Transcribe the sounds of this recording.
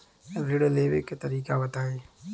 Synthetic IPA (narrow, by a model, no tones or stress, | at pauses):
ɾɪɽleːʋeket̪ɐɾiːkabɐt̪aːeː